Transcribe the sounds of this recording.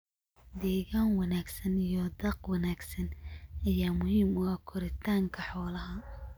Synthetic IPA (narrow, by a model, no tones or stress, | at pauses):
d̪ɛːɣaːnwɑnaːɡsɐnijɔd̪ɐqwɐnaːɡsɐnʔɐjaːmʊɦiːmʊɐkʰɔɾɪt̪ʰaːŋkʰɐħɔːlɐɦɐ